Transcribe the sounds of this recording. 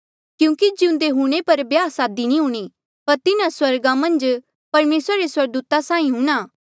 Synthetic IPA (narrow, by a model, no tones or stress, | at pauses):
kjũːkid͡ʒɪʊ̃nd̪eɦũɽ̃epɐɾbjaːsaːd̪inĩɦũɽ̃i | pɐɾt̪ɪnãswɐɾɡamɐ̃nd͡ʒ | pɐɾmeːsɾaɾeswɐɾɡd̪uːt̪asãːĩɦũɽ̃aː